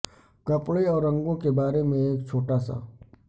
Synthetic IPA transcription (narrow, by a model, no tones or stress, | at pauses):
kɐpɽeɔːɾːɐ̃ŋɡõkebaːɾemẽeːkt͡ʃʰoːʈaːsa̰